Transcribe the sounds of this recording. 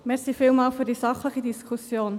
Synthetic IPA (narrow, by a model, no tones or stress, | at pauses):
mɛɾsifɪːlmɑːlfyɾdisɑχləχidiskʰusjoːn